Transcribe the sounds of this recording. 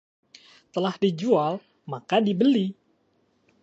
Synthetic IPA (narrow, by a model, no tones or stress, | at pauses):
t̪əlahdid͡ʒual | makadibəli